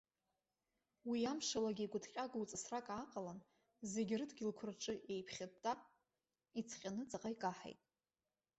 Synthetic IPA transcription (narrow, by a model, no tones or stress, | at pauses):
wijamʂalaɡʲiːɡʷʊdʰqʲʼaɡwt͡sʼasrakʼaqʼalan | ze̞ɡʲrɨdɡʲilkʷʰʊrʈ͡ʂʼɨʔe̞jpʰχʲad̚tʰʼːa | it͡sʰχʲʼanɨt͡sʼaqʼajkʼaħa̰jtʼ